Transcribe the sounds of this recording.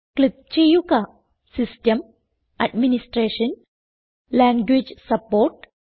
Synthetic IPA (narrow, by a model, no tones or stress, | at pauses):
klit̪̚t͡ʃejuka | sisʈəm | aɖminisʈɾeːʃən | læ̃ŋɡʋid͡ʒsɐpoːɾʈ